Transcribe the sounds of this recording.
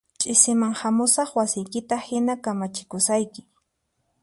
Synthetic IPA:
t͡ʃʼɪsɪmaŋhamʊsɑχwasɪjkɪt̪ahɪnakamat͡ʃɪ̥kʊsajkɪ̥

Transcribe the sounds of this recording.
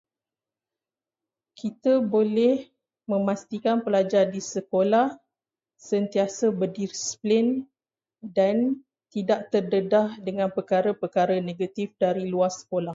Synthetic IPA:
kʰit̪əbolɛh | mə̃mãst̪ikanpəlad͡ʒardisəkolah | sənt̪iasəbədirsplɪn | dan | t̪idaʔt̪ərdədahdəŋãnpərkaɾəpərkaɾəneɡat̪ifdaɾiluarsə̥kolah

